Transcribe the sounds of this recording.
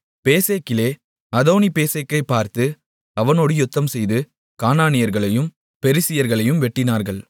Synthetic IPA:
peːseːkɪleː | ɐðoːnipeːseːkːɐɪpːaːɾt̪ɯ | ɐʋɐnoːɽɯjʊt̪ːɐmsɛjðɯ | kaːnaːnɪjɐɾɣɐɭɐjɯm | pɛɾɪsɪjɐɾɣɐɭɐjɯmʋɛʈːɪnaːɾɣɐɭ

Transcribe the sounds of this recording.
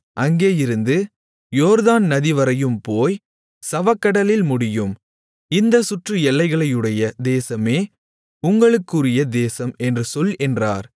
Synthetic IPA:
ʔɐŋɡeːjɪɾɯnd̪ɯ | joːɾðaːnnɐðɪʋɐɾɐjɯmpoːj | sɐʋɐkːɐɽɐlɪlmʊɽɪjɯm | ɪnd̪ɐsʊʈrɯɛlːɐɪɣɐɭɐjɯɽɐjɐd̪eːsɐmeː | ʊŋɡɐɭɯkːɯrɪjɐd̪eːsɐmɛndrɯsɔlɛndra̰ːɾ

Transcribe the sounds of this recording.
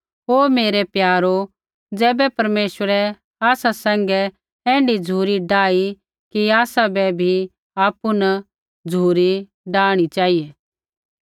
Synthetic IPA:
ɦoːmeːɾepjaːɾo | d͡zɛːbɛpɐɾmeːʃwəɾɛ | aːsasɛ̃ːŋ̆ɡɛ | ɛ̃ːɳɖid͡zʱuːɾiɖaːi | kiaːsabɛbʱi | aːpuna | d͡zʱuːɾi | ɖaːɽ̃it͡ʃaːijeː

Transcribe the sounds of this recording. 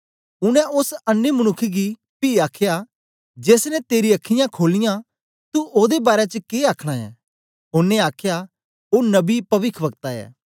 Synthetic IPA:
ʊñɛ̃ʊsɐnːemɐñʊkʰːɡi | piːaːkʰja | d͡ʒeːsnɛt̪eːɾiɐkʰːɪjãkʰoːlɪjã | t̪uoːd̪ebaːɾjɛt͡ʃəkeːaːkʰɽ̃aɛ̰ː | ɦʊneaːkʰja | oːnɐbipɐʋɪkʰʋɐkt̪aɛ̰ː

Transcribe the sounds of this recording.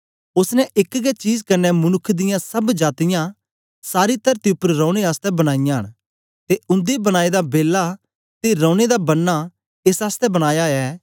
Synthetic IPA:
ʊsnɛʔɪkɡɛt͡ʃiːzkɐɾnɛmʊnʊkʰːd̪ɪjãsɐbd͡ʒaːt̪ɪjã | saːɾit̪ɐɾt̪iʊpːəɾɾɔ̃ːʊɽ̃eaːst̪ɛbɐɽ̃aːɪjãːəɽ̃ | t̪eʊ̃nd̪ebɐɽ̃aːed̪abeːlːa | t̪eɾɔ̃ːɽ̃ed̪abɐnːa | eːsaːst̪ɛbɐɽ̃aːjaɛː

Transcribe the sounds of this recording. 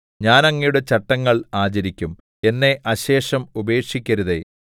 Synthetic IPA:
ɲaːnɐŋːɐjuɽet͡ɕɐʈːɐŋːɐɭaːt͡ɕɐɾikʲːum | e̞nːe̞ʔɐɕe̞ːʂɐmube̞ːkʂikʲːɐɾuðe̞̰

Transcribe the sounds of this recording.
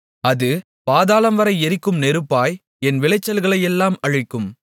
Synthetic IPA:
ɐðɯ | paːðaːlɐmʋɐɾɐɪɛɾɪkːɯmnɛɾɯpːaːj | ɛnʋɪlɐɪt͡ʃːɐlɣɐɭɐjɛlːaːmɐɻɯkːɯm

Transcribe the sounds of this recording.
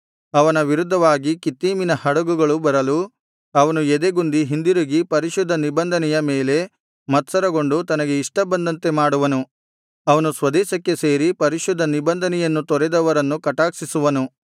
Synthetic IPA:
ɐʋɐnɐʋiɾud̪ʱːɐʋaːɡikit̪ːiːminɐhɐɽɐɡuɡɐɭubɐɾɐlu | ɐʋɐnued̪e̞ɡund̪iɦind̪iɾuɡipɐɾiʃud̪ʱːɐnibɐnd̪ʱɐnɛjɐmeːle̞ | mɐt̪sɐɾɐɡo̞ɳɖut̪ɐnɐɡe̞iʂʈɐbɐnd̪ɐnt̪e̞maːɽuʋɐnu | ɐʋɐnusʋɐd̪ɛːʃɐkːe̞se̞ːɾipɐɾiʃud̪ʱːɐnibɐnd̪ʱɐnɛjɐnːut̪ɔɾɛd̪ɐʋɐɾɐnːukɐʈaːksisuʋɐnu

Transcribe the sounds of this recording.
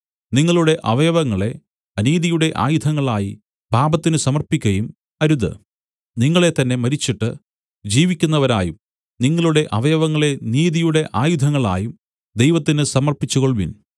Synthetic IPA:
niŋːɐɭuɽe̞ʔɐʋɐjɐʋɐŋːɐɭe̞ | ɐniːðijuɽe̞ʔa̰ːjud̪ʱɐŋːɐɭaːji | bʱaːbɐt̪ːinɨsɐmɐrpikʲːɐjum | ɐɾuðɨ̰ | niŋːɐɭe̞t̪ɐnːe̞mɐɾit͡ɕːiʈːɨ | d͡ʑiːʋikʲːunːɐʋɐɾa̰ːjum | niŋːɐɭuɽe̞ʔɐʋɐjɐʋɐŋːɐɭe̞niːðijuɽe̞ʔaːjud̪ʱɐŋːɐɭa̰ːjum | d̪ejʋɐt̪ːinɨsɐmɐrpit͡ɕːuɣoɭʋḭn

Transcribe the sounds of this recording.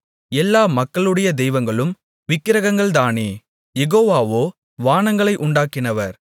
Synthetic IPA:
ɛlːaːmɐkːɐɭɯɽɐjɐd̪ɛjʋɐŋɡɐɭɯm | ʋɪkːɪɾɐɣɐŋɡɐɭd̪aːneː | jɛɣoːʋaːʋoː | ʋaːnɐŋɡɐɭɐɪʔʊɳɖaːkɪnɐʋɐɾ

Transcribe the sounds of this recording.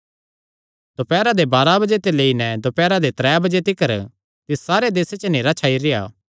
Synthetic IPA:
d̪opɛːɾad̪ebaːɾabɐd͡ʒet̪eleːinɛd̪opɛːɾad̪et̪ɾɛːjabɐd͡ʒet̪ɪkəɾ | t̪ɪssaːɾed̪eːset͡ʃəneːɾat͡ʃʰaːiɾɪja̰ː

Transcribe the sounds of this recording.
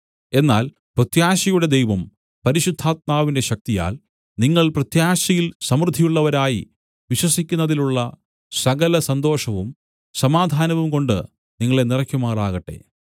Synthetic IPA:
e̞nːaːl | prɐt̪jaːɕɐjuɽe̞d̪ejʋɐm | pɐɾiɕud̪ʱːaːt̪̚maːʋinde̞ɕɐk̚t̪ija̰ːl | niŋːɐɭprɐt̪jaːɕɐjilsɐmrɨd̪ʱːijuɭːɐʋɐɾaːji | ʋiɕwɐsikʲːunːɐðiluɭːɐ | sɐɣɐlɐsɐnd̪o̞ːʂɐʋum | sɐmaːd̪ʱaːnɐʋumko̞ɳɖɨ | niŋːɐɭe̞nirɐkʲːjumaːraːɣɐʈːe̞̰

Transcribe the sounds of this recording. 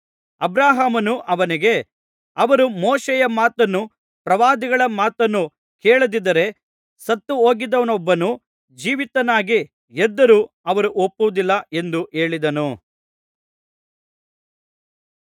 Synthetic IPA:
ɐbɾaːɦaːmɐnuʔɐʋɐniɡe̞ | ɐʋɐɾumoːʃɛjɐmaːt̪ɐnːu | pɾɐʋaːd̪iɡɐɭɐmaːt̪ɐnːu | keːɭud̪id̪ɐɾe̞ | sɐt̪ːuɦo̞ːɡid̪ɐʋɐnɔbːɐnu | d͡ʒiːʋit̪ɐnaːɡi | ɛd̪ːɐɾuː | ɐʋɐɾuʔopːuʋud̪ilːɐʔe̞nd̪uʔe̞ːɭid̪ɐnu

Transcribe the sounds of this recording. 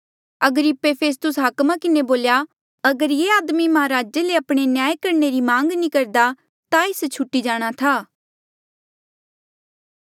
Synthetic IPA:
ɐɡəɾɪpːepʰeːs̬t̪ʊsɦɐkmãkɪneboːlja | ɐɡəɾjeːaːd̪mimɐɦaɾaːd͡ʒeleɐpɽ̃enjaːjekɐɾneɾimãːŋɡnĩkɐɾd̪a | t̪aɪst͡ʃʰʊʈːid͡ʒaːɽ̃at̪ʰaː

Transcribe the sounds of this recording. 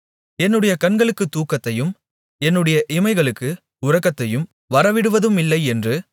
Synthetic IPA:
ɛnːɯɽɐjɐkɐnɡɐɭɯkːɯt̪ːuːkːɐt̪ːɐjɯm | ɛnːɯɽɐjɐʔɪmɐɪɣɐɭɯkːɯ | ʊɾɐkːɐt̪ːɐjɯm | ʋɐɾɐʋɪɽɯʋɐðɯmɪlːɐɪɛndrɯ

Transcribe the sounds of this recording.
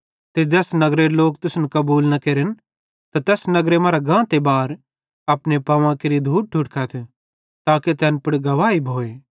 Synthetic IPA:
t̪ed͡ʒɛːsnɐɡɾeloːkt̪ʊsnkɐbuːlnɐkeːɾɪn | t̪at̪ɛːsnɐɡɾemɐːɾaɡãːt̪ebaːɾ | ɐpnepɐʋãkeɾid̪ʱuːʈ̚ʈʰːʊʈkʰat̪ʰ | t̪aːket̪ɛːnpɐɽɡɐʋaːibʱoːeː

